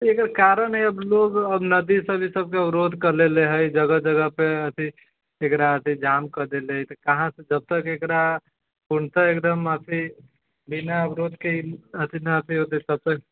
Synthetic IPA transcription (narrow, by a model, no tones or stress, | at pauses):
ekəɾkaɾənɦɛəbloɡəbnəd̪isəbʱisəb̚keəbɾod̪ʱkəɾleleɦəjd͡ʒəɡəd͡ʒəɡəpeət̪ʰi | ekɾaət̪ʰid͡ʒamkəɾd̪eleɦəjt̪ɔkaɦãsəd͡ʒəb̚t̪əkekɾa | puɳt̪əekd̪əmət̪ʰi | binaəbɾod̪ʱkeət̪ʰinəət̪ʰiot̪et̪əb̚t̪ək̚